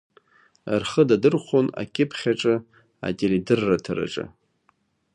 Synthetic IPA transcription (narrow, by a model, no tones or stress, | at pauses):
arχədadɨrχʷona̰kʲʰʼɪpʰχʲaʈ͡ʂʼɨ | a̰tʲʼelidɨrːatʰaɾa̰ʈ͡ʂʼɨ̰